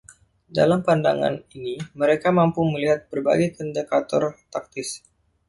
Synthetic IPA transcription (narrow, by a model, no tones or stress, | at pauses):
da̰lampanda̰ŋa̰niniməɾekamampuməliɦat̪̚b̥ərba̰ɡajkəndəkat̪ɔrt̪ak̚t̪ɪs